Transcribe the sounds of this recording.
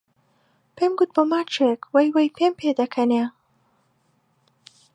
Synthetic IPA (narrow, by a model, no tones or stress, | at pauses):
pemɡut̪̚bəmat͡ʃekwajwajpʰempʰed̪ɐkʰɐne